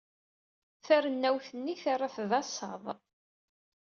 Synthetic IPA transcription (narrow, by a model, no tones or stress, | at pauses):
θæɾənːæwθənːiθarˤːaθðɑsˤɑ̰ðˤ